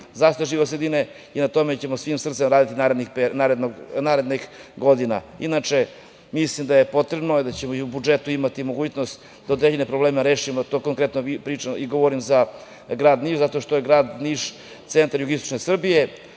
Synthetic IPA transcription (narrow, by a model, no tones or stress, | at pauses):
zaʃt̪ojeʒiʋosɾed̪ine | inat̪o̞met͡ɕe̞mo̞sʋimsr̩t̪semɾaːd̪it̪inaɾed̪nixpenaɾed̪noɡnaːɾed̪nixɡo̞d̪ina̰ḭnat͡ʂe̞ | mislimd̪ajepo̞t̪ɾe̞bnod̪at͡ɕemoiubud͡ʒet̪uimat̪imo̞ɡuːt͡ɕnost̪ | d̪ao̞d̪ɾeʎene̞pɾoble̞ːmeɾe̞ːʃimot̪oːkoŋkɾet̪noipɾiːt͡ʃamiɡoʋoɾimza | ɡɾaːd̪niːʃzat̪o̞ʃt̪oje̞ɡɾaːd̪niːʂ | t̪se̞nt̪aɾjuɡist̪o̥t͡ʃne̞sr̩bije̞